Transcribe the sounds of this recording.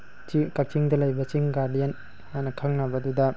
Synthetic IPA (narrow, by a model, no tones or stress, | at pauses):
t͡ʃikak̚t͡ʃiŋdɐlɐjbɐt͡ʃiŋɡaɾdijen | hajnɐkʰɐŋnɐbɐdudɐ